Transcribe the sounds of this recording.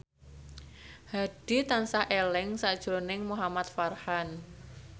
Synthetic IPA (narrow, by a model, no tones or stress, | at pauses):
haɖ̥i̤t̪ansaʔelɪŋsaʔd̥ʒ̥ɾonɪŋmuɦamat̪farhan